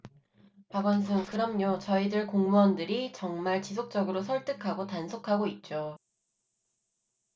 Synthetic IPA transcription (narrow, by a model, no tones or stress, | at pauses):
paɡʌns̬ʰɯŋkɯɾʌmɲot͡ɕʌidɯɭkoŋmʌndɯɾit͡ɕʌŋmaɭt͡ɕisʰok̚t͡ɕ͈ʌɡɯɾosʰʌɭt͈ɯkʰaɡotansʰokʰaɡoit̚t͡ɕ͈o